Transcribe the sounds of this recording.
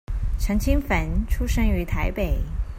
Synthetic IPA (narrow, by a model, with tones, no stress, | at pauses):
ʈ͡ʂʰə˧˥ŋt͡ɕʰi˥ŋfə˧˥nʈ͡ʂʰu˥ʂə˥ŋy˧˥t̪ʰa˧˥ɪpe˨˩ɪ